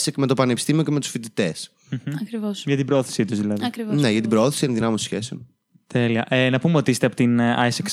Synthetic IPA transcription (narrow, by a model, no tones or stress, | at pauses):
sekmet̪opɐnepist̪imioceme̞t̪u̥sfit̪it̪es | m̩ɐkɾivosʝɐt̪ibɾooθi̥sit̪uzðilɐðikɾivneʝɐt̪ibɾooθisienðinɐmest̪o̥sçeseo̰n | t̪ʰeliɐʔenɐpumeo̞t̪iist̪eɐpot̪inɐ̰jseks